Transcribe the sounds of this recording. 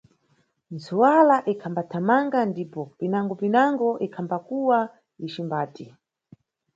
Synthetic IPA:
nzuwalaʔikʰambatʰamaŋɡandipɔpinaŋɡɔpinaŋɡɔʔikʰambakuwa | iʃimbaːti

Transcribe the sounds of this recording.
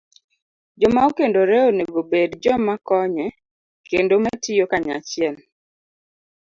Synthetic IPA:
d͡ʒɔmaokendoɾɛoneɡobedd͡ʒɔmakɔɲɛ | kendomɛtɪjokaɲa̰t͡ʃɪɛl

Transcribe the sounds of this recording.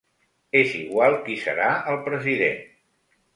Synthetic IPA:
eziɣwalˠkisə̰ɾaəlˠpɾəziðḛn

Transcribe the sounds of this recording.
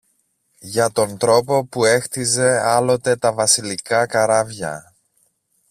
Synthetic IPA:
ʝɐt̪o̞nt̪ɾo̞po̞pue̞xt̪ize̞ɐlo̞t̪e̞t̪ɐvɐsilikɐkɐɾɐvʝɐ̰

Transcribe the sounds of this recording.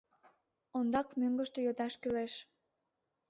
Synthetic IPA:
ond̪ɑkmøŋɡəʃt̪ejod̪ɑʃkyleʃ

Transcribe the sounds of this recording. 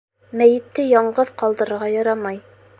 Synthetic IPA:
mæjɘ̆t̪ːɘjɒɴɢɤðqɒlˠd̪ɤ̆ɾɤ̆ɾʁɑjɒɾɑmɑj

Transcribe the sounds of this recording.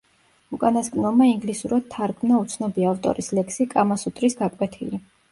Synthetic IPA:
ukʼanaskʼnɔmaiŋɡlisuɾad̪̚t̪ʰaɾɡmnaut̪sʰnɔbiaːft̪ʼɔ̰ɾislɛkʰsikʼamasut̪ʼɾisɡakʼwɛt̪ʰili

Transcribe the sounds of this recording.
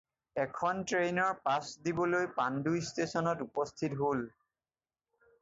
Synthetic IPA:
ɛkʰɔntɹenɔɹpasdibɔlojpandujstesɔnɔtupɔstʰitɦol

